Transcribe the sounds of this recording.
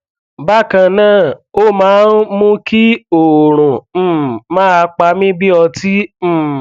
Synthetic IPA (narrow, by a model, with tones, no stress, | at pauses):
ba˦˨kã˧˨nãː˦˨o˦mãː˨˦n˦mũ˦ki˦o˨ɾ̃ũ˨˦mãː˦a˧k͡pa˧˦mĩ˦bi˦ɔ˧ti˦˨